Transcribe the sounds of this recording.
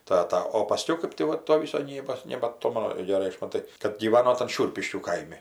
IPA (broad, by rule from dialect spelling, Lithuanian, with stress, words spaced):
ˈtɑːtɐ oː pɐˈsʲkʲɛʊ ˈkɜp tʲɪ ˈʋɐ ˈtoː ʋʲɪs sɐˈnʲiːboːs nʲɛbɐˈtoːmɐnʊ ɡʲɛˈrɐɪ ˈɐʃ mɐˈtɐɪ kɐt ɡʲiːˈʋɑːnoː tɐn ˈʃʲʊrʲpʲɪʃʲkʲuː ˈkɐɪmʲɪ